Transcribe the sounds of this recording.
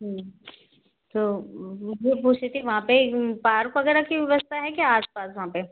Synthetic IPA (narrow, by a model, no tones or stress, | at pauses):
ɦ | t̪oːd͡ʒepuːt͡ʃʰet̪ʰiʋɐɦãpepaːɾkʋɐɡɛːɾakiʋjɐʋəst̪ʰaɦɛkaaːspaːsʋɐɦãpe